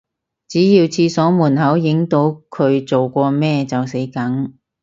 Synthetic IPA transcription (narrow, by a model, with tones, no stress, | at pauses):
t͡siː˨˥jiː˧wt͡sʰiː˧sɔː˨˥muː˨˩nhɐ˨˥wjɪ˨˧˥ŋt̪o˨˧˥wkʰɵ˨˧ɥt͡so˨wkʷɔː˧mɛː˥t͡sɐ˨wse˨˥jkɐ˨˥ŋ